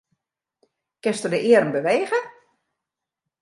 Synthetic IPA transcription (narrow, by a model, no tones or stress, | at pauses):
kɪnstədəʔɪəɾəmbəʋeːɣə